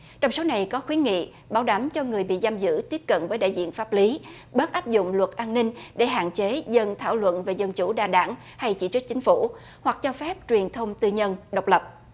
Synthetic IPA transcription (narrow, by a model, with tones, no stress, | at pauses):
t͡ɕɔ˧wŋ͡mso˨˦wna˨˩jkɔ˨˦xwi˨˦nŋḭ˧˨ | ɓaː˨˦wɗa˨˦mt͡ɕɔ˧ŋɨ˨˩əjɓḭ˧˨zaː˧mzɨ̰˧˥t̪i˦˥əp̚kə̰˧˨nvəː˨˦jɗa̰ː˧˨jzḭ˧˨ənfaː˦˥p̚li˨˦ | ɓəː˦˥t̚ʔaː˦˥p̚zʊ̰˧˨ŋ͡mlwə˨˩t̚ʔaː˧nːï˧ŋ̟ɗe˧˩ɦa̰ː˧˨nt͡ɕe˨˦zə˧nt̪ʰaː˧˩wlwə̰˧˨nve˨˩zə˧nt͡ɕu˧˩ɗaː˨˩ɗa̰ː˧˩ŋ | ha˧jt͡ɕi˧˩t͡ɕɨ˦˥k̚t͡ɕï˨˦ŋ̟fu˧˩ | hwa˨˩k̚t͡ɕɔ˧fɛ˦˥p̚t͡ɕwi˨˩ənt̪ʰə˧wŋ͡mt̪ɨ˧ɲə˧nɗə˨˩wk͡p̚lə˨˩p̚